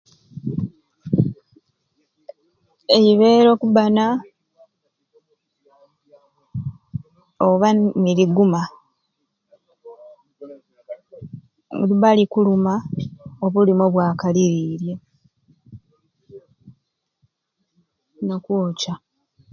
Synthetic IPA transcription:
ejiβe̞ːɾo̞kubana | oβaniliɡuma | βalikulumaoβulimoβwaːkaliɾiːɾje̞ | nokuːca

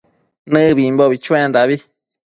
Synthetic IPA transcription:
nɨ̃βimboβit͡ʃũẽnd̪aβi

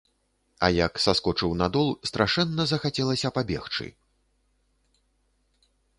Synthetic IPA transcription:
ɐ̰jɐksaskɔt͡ʂɨwnad̪ɔlˠst̪ɾaʂɛnːɐzɐxat͡sʲɛlˠɐsʲɐpabʲɛ̰xt͡ʂɨ̰

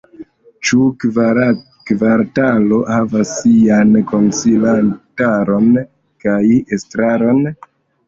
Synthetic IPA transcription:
t͡ʃu | kvaɾtalo̞havasːianko̞nsilantaɾo̞n | kajestɾaɾo̞n

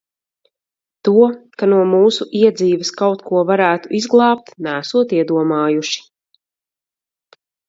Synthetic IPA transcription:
t̪uɔkanuɔmuːsuʔiɛd̪ziːvɐskawt̪kuɔvaɾæːt̪uʔizɡlˠɑːp̚t̪næːsuɔt̪iɛd̪uɔmaːjuʃi̥

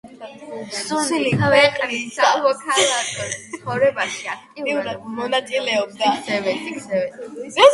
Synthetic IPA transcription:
suliɛχʼisamɔkʰalˠakʰʼɔt̪sχɔvɾɛbaʃiat̪ʼiiuɾamɔnat̪sʼilɛɔb̚d̪aːsɛvɛɛɛɛ

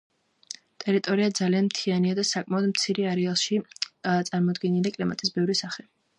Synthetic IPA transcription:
t̪ʼɛɾit̪ʼɔɾiad̪zalianmt̪ʰianiad̪asakʼmaɔd̪mt̪sʰiɾiaɾɛalˠʃit̪sʼaɾmɔd̪ɡɛnilikʼlima̰t̪ʼisbɛvɾisaχɛ

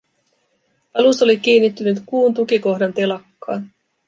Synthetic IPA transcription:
ɑluso̞lik̟iːnːit̪ːynyt̪kuːnt̪ukiko̞hdɑnt̪e̞lɑkːɑːn

